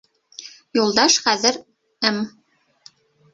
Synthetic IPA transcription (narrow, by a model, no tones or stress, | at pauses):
julˠd̪ɑʃχæðɘ̆ɾ | ɘm